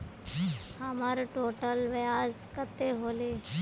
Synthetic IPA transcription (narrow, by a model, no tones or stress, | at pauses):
hamaːɾʈoːʈəlʋɐjaːz | kət̪ːeɦoːleː